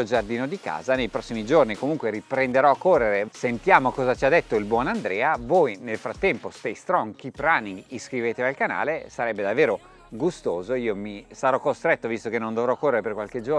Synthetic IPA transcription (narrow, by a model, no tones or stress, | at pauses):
od͡ʒard̪iːnod̪ika̰ːzanejpɾɔsːimid͡ʒornikomuŋkweɾipɾend̪eɾɔakːorːeɾesent̪jaːmokɔːzat͡ʃiad̪ːet̪ːoilbwɔnand̪ɾɛːavojnelfɾat̪ːɛmpost̪ejst̪ɾɔŋkipɾaniŋɡiskɾiveːt̪evalkana̰ːlesaɾɛbːed̪avːeːɾo | ɡust̪oːzoiomisaɾɔkːost̪ɾɛt̪ːovist̪okenːõnd̪ovɾɔkːorːeɾeperkwalked͡ʒo